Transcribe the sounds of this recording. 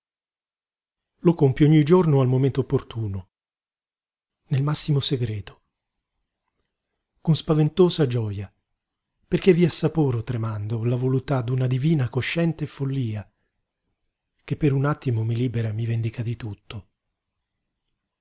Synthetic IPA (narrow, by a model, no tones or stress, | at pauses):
lokompjoɲːid͡ʒornoalmoment̪oopːort̪uːno | nelmasːimoseɡɾɛːt̪o̥ | konspavent̪oːzad͡ʒɔːja | perkevːiasːapuːɾot̪ɾemand̪olavolut̪ːad̪unad̪iviːnakoʃːɛnt̪efolːiːa | kepːeɾunat̪ːimomiliːbeɾamivend̪ikad̪it̪ut̪ːo